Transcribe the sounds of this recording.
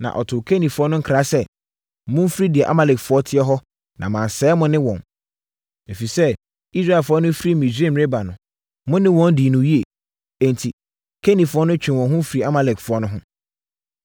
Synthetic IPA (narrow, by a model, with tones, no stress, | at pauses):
nã̰˨ʔɔ̰˨tʰʊ˨kʰe˦nĩ˨fʊ˨˦ɔ˦nʊ̃˦ŋ̩˦kʰɾa˦sɛ˦ | mʊ̃˦m˦fɾi˦dɪ˨ɛ˨ʔa̰˦ma˨lɛ˨kfʊ˨˦ɔ˦tʰɪ˦ɛ˦ɦɔ˦ | nʔã̰˨mã˨n˨sɛː˨˦mʊ̃˦nɪ̃˦wɔ̃˨n | e˨fi˨sɛ˦ | i˦sɾa˦ɛ˨fʊ˨˦ɔ˦nʊ̃˦fi˦ɾi˦mĩ˨sᶣẽ˦˨m˨e˦ba˨nʊ̃˨ | mʊ̃˦nɪ̃˦wɔ̃˦n˦di˨nũ˨ji˦e˨ | ɛ̃˨n˨tʰi˨ | kʰe˦nĩ˨fʊ˨˦ɔ˦nʊ̃˦t͡ɕᶣɪ̃˨wɔ̃˨nɦʊ̃˦fɾi˨a˦ma˨lɛ˨kfʊ˨˦ɔ˦nʊ̃˦ɦʊ̃˦